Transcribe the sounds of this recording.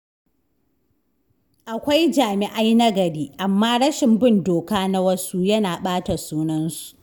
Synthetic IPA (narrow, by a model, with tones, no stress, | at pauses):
ʔa˨kʷa˦jd͡ʒaː˨mɪ˨ʔa˦jnɐ˦ɡɐ˨ɽiː˦ʔa˨mːaː˦ɽɐ˦ʃɪ˨mbɪ˦ndoː˨kaː˦na˦wɐ˦su˦jɐ˦naː˨ɓaː˦ta˨suː˦nɐ˦nsu̥˨ʔ